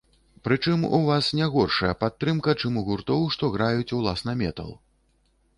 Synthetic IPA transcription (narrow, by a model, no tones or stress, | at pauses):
pɾɨt͡ʂɨmṵvasnʲɛɣɔrʂɐjɐpat̪ːɾɨmkɐt͡ʂɨmuɣurt̪ɔwʂt̪ɔɣɾajut͡sʲuwlˠasnɐmʲɛt̪ɐ̰lˠ